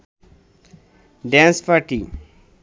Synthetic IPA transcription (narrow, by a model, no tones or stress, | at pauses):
ɖãnspaʈi